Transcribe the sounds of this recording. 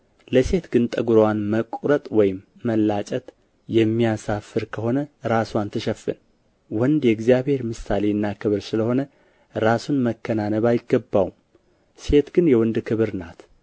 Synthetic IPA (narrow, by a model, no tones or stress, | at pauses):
ləse̞t̪ɡɨnt̪ʼəɡuɾowanməkʷʼɾət̪ʼwɔjɪmːəlːat͡ʃʼət̪ | jɛmːijasafɨɾkʰəho̞nəɾasuant̪ʰɨʃɛfːɨ̰n | wɔnd̪jɛɡzijaβhe̞ɾmɨsale̞ɨnːakʰɨβɨɾsɨləho̞nə | ɾasunməkːənanəβajɪɡːəbːawum | se̞t̪ɡɨnjɛwɔnd̪kʰɨβɨɾnat̪